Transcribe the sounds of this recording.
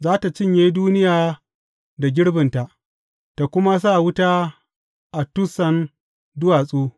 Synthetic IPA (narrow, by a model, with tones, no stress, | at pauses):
zaː˦ta˨t͡ʃɪ˦˨ɲjeː˦duː˦nɪ˦jaː˨ | da˨ɡʲɪ˦ɽbɪ˨nta˨ʔ | ta˨kʷʊ˦ma˦s̬a˦˨wʊ˦taː˦ | ʔa˨tʊ˦sɐ˦n | dʊ˦waː˨sʼuː˦